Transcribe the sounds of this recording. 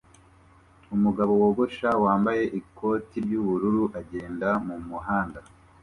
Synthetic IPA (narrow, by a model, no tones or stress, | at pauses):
umuɡaβo̞woːɡo̞ʃawaːmbaje̞ʔikʰo̞ːtiɾɟuβuɾuɾuʔaɟe̞ːndamumuɦaːnda